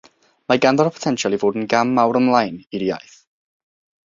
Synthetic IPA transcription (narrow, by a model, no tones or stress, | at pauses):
maɡandɔɾəpʰɔ̥tʰɛnʃalˠivoːdən̩ɡamːawɾəmlˠajniɾia̰jθ